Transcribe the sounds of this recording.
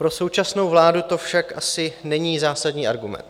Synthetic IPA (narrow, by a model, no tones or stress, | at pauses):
pɾo̞so̞wt͡ʃasno̞wvlaːdut̪o̞fʃakʔasɪnɛɲiːzaːsadɲiːaɾɡumɛ̰nt̪